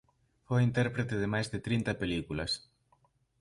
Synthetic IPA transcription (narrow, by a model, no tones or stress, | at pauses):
fojint̪ɛɾpɾet̪ɪðɪmajzðɪt̪ɾint̪ɐpelikulɐ̰s